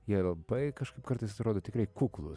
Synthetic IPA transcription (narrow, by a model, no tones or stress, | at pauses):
jiɛlˠɐbɐɪkɐʃkɐɪpkɐɾt̪ɐɪsɐt̪ɾoːd̪oːt̪ʲɪkɾɐɪkuːklˠʊ